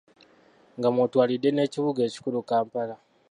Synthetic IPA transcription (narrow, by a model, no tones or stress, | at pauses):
ŋɡamwotwaːlidːe̞ne̞ːciβuɡe̞ːci̥kulukaːmpala